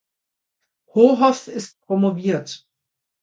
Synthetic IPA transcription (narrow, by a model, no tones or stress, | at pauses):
hoːɦɔsɪst̚pʁ̥omoviːɐt